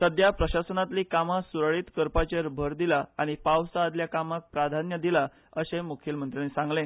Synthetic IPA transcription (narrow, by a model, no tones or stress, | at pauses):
səd̪japɾəɕasənat̪liːkamasuɾɭiːt̪kəɾpat͡ɕeɾbʱəɾd̪ilaaɽ̃ipawsaːd̪ljakamak̚pɾad̪ʱanjəd̪ila | əɕemukʰilmənt̪ɾənesãŋɡlẽ